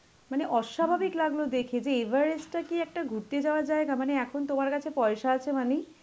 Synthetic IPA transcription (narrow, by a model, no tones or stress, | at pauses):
maneʔɔʃabʱabiklaɡlod̪ekʰed͡ʑeebʱaɾesʈakiɛk̚ʈaɡʱuɾt̪ed͡ʑaoad͡ʑaeɡamaneɛkʰont̪omaɾkat͡ɕʰepɔjʃaat͡ɕʰemane